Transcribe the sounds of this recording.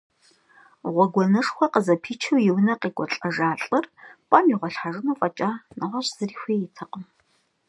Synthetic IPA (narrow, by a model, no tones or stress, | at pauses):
ʁʷɔɡʷɔnɨʂxʷɔqəzɐpʰiːt͡ʃʰɨwjɪwnɐqiːɡʷʼɔɬʼɐʐaːɬʼɨrpʼɐmiʁʷɔɬħaʐɨnuːfʼɐt͡ʃʼaːnɐʁʷɐɕz̥ɨriːxʷeːjɪtʰɐqʼəm